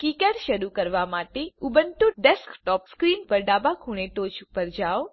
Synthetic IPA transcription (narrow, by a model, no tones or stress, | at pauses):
kikəʈʃəɾukəɾʋamaʈeubənt̪uɖɛskʈɔpskɾinpəɾɖabakʰuɽ̃eʈot͡ʃupəɾd͡ʒaʋ